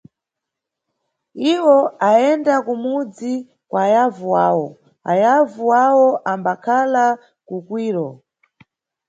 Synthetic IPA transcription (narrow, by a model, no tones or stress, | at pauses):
iwɔaɛndakumud͡zi | kwaːjavuwaːwɔ | a̰javuwawɔʔambakʰala | kukwiːɾɔ